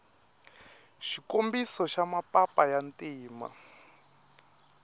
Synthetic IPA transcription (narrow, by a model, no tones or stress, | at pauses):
ʃikombisɔʃamapapajantʼiːma̰